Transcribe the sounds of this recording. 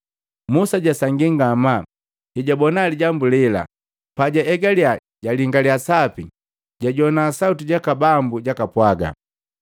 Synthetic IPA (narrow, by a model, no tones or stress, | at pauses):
musaɟasaŋɡiŋɡama | hiɟabɔnaliɟambulila̰ | paɟaɛɡalia | ɟaliŋɡaliasapi | ɟ̥aɟɔnaːsautiɟakabambuɟakapwaɡa̰